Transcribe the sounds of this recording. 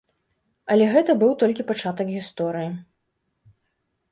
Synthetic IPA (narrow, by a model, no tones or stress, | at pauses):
ɐlʲɛɣɛt̪ɐbɨwt̪ɔlʲkʲipat͡ʂat̪ɐkɣʲist̪ɔɾɨji